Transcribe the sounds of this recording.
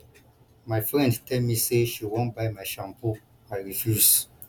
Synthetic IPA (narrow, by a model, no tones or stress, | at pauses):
maɪfɾɛ̃nttɛmiseʃiwɔ̃nbajmaʃãmpo | maɾifus